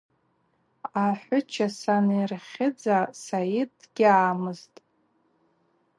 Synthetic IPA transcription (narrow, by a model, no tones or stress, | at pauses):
aħʷʊt͡ʃʰasanjrχʲɪd͡zasajid | ɡ̥ʲɪaːmɨztʼ